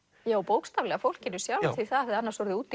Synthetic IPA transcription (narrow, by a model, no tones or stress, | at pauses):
jaːwpowkst̪avlɛɣafowl̥cɪnʏsjawlθviθaðaθɛðanːasɔɾðɪuːt̪